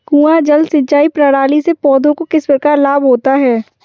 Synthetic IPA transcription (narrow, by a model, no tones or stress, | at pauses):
ɡuːad͡ʒɐld̪sɪ̃ɲt͡ʃaːipɾaɽaːlisepɔːd̪õkokɪspəkaːɾlaːbɦoːt̪aɦɛː